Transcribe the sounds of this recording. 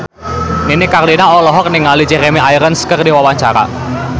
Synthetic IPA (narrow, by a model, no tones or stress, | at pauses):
ninikarlinaɔlɔɦɔk̚nɪŋalid͡ʒɛɾemeʔajɾənskərdiwawaɲt͡ʃaɾa̰